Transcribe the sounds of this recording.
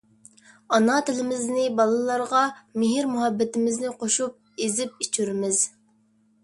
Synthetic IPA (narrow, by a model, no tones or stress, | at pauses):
ɑnɑt̪ʰɪlɪmɪznɪbɑlˠɨlˠɑɾʁɑmɪɦɪɾmuɦɛbːɪt̪ɪmɪznɪqʰoʃup̚ | ezɪp̚it͡ʃʰyɾmɪz̥